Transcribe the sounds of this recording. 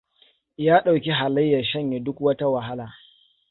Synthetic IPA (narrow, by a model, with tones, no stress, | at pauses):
jaː˦ɗa˨wkʲi˦ɦa˨lɐ˦jːɐ˨ʃɐ˦ɲje˨dʊ˦kwɐ˦ta˦wɐ˨ɦa˦laː˨